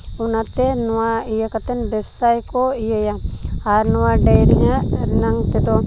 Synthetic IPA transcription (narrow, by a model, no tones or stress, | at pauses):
unat̪ɛnɔwaijakat̪ɛnbɛbsajkɔijajaaɾnɔwaɖajɾiɲaʔnaŋt̪ɛd̪ɔ